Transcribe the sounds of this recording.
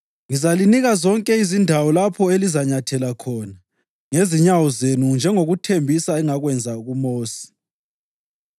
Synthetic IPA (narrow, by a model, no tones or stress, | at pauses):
ŋizaliniɣazɔŋkʼɛizindʱawɔlapʰɔelizaɲatʰɛlakʰɔːna | ŋeziɲawɔzenund͡ʒʱɛŋoɣutʰembʱisaɛŋaɣwɛnd͡zʱaɣumoːsi̥